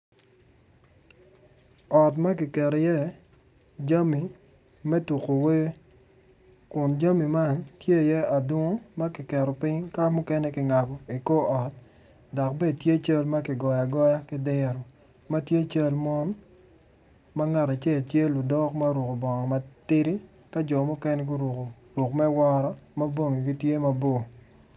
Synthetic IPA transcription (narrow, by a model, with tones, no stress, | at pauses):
ɔ˨t̬ma˦k̬ɪ˨kɛ˨ɾɔ˨jɛ˦ | d͡ʒa˦mi˨ | mɛ˦tu˨ko˨we˦ | kʊ˨nd͡ʒa˦mi˨ma˦ntje˦˨jɛ˦a˨do˦ŋo˦ma˦kɪ˨kɛ˨ɾɔ˨pɪ˦ɲka˦mʊ˦kɛ˦nɛ˦kɪ˨ŋa˨bɔ˨i˨ko˦ʔɔ˨t̚ | dɔ˨k̚be˦dtje˦˨t͡ʃa˦lma˦kɪ˨ɡɔ˨ja˨ɡɔ˦ja˦kɪ˦dɪ˦ɾo˨ | ma˦tje˦˨t͡ʃa˦lmɔ˦n | ma˦ŋa˨ta˨t͡ʃɛ˦˨ltje˦lʊ˨dɔ˦kma˦ɾu˨ko˨bɔ˨ŋɔ˨ma˦tɪ˦ɾi˦ | ka˦d͡ʒɔ˨mʊ˦kɛ˦nɛ˦ɡu˦ɾk | ɾʊ˨kmɛ˦wɔ˦ɾɔ˦ma˦bo˦ŋi˨ɡi˦tje˦ma˦bo˦˨